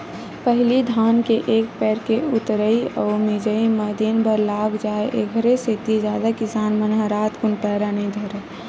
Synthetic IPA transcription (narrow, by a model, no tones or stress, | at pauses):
pəɦlid̪ʱaːnkeʔeːkpɛːɾkeʊt̪ɾəiɔːmɪd͡ʒəiməd̪inbʱəɾlaːɡd͡ʒaːeʔeɡʱɾeset̪id͡ʒjaːd̪akɪsaːnmənɦə̃ɾaːt̪kʊnpɛːɾanid̪ʱəɾə